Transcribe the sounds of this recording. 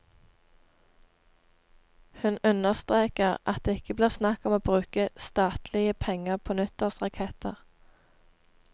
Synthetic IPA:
hʉnʉnəʁst̪ʁeːkəʁʔɑt̪̚d̪eːɪkəbliːʁsnɑkɔmoːbʁʉːkəst̪ɑːt̪lɪəpʰɛŋəʁpʰoːnʉt̪əʁsʁɑkʰɛt̪əʁ

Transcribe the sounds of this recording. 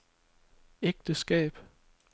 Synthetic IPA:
eɡ̥̚d̥əsɡ̥ɛ̰ːb̥

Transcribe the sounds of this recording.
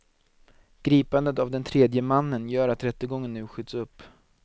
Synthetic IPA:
ɡ̥ɾiːpand̪ət̪avd̪ɛnt̪ʰɾeːd̪jəmanːənjœːɾat̪ɾɛt̪ːəɡɔŋːənːʉ̟ːɧʏt̪sɵpː

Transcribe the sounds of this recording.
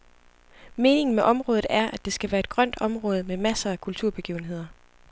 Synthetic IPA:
me̝ːne̝ŋn̩meʔɒ̽mʁɔ̽ːðð̩ˠæɐʔæd̥e̝sɡ̥æʋæːɐed̥̚ɡ̥ʁɶn̰d̥ɒ̽mʁɔ̽ːð̞ˠəmemæsɐːkʰult͡sʰuɐb̥e̝ɡ̥ḭːʊn̩ɦe̝ð̞̰ˠɐ

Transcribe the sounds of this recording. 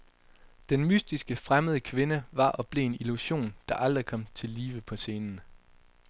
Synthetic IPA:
d̥enmysd̥isɡ̥əfʁaməð̞ˠəkʰʋe̝nəʋɑ̈ʔɒ̽b̥le̝̰ːeniluɕo̝̰ːnd̥ɑ̈ʔɑld̥ʁikʰɒ̽m̰t͡sʰe̝lːiːʋəpʰɒ̽se̝ːnn̩

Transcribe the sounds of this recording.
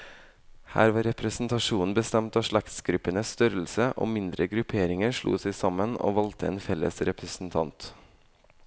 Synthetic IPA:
hæ̰ːɾʋɑːɾɛpʰɾəsn̩t̪ʰɑʂuːnn̩bəst̪ɛmt̪ɑːʂɭɑkt̪sɡɾʉpːənəsst̪œɾəl̩səʔo̰ːmɪnd̪ɾəɡɾʉpʰeːɾɪŋəɾʂɭṵːsæɪsɑməno̰ːʋɑlt̪ʰəḛːnfɛlːə̰sɾɛpɾəsn̩t̪ʰɑnt̪

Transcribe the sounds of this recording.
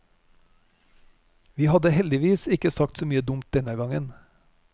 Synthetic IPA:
ʋiːhɑd̪əhɛld̪ɪʋiːsɪkəsɑk̚t̪soːmyːəd̪ʊmt̪̚d̪ɛnəɡɑŋən

